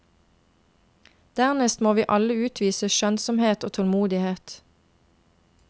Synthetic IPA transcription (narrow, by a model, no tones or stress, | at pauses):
d̪̥æːʁnɛst̪moːʋiːʔɑləʉːt̪ʰʋiːsəʃœnsɔmheːt̪o̰ːt̪ʰɔlmuːd̪ɪheːt̪